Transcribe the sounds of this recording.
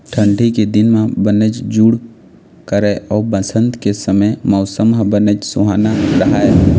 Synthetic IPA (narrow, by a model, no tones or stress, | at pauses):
ʈʰə̃ɳɖʱiked̪ɪnmẽbənəd͡ʒd͡ʒuːɽ | kəɾeʔɔːbəsə̃nd̪kesəməjmɔʊsəmɦbənəd͡ʒsʊɦaːnaɾɐɦaeː